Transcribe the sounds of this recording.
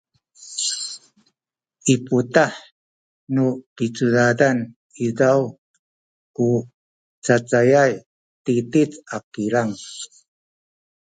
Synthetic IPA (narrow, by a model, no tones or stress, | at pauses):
ʔiputaħ | nupit͡sudadan | izaw | ku | t͡sat͡sajaj | titit͡sakiɾaŋ